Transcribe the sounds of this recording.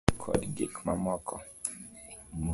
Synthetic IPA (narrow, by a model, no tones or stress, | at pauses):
kʰɔ̰dɡikʰmamɔkʰɔ̰ | m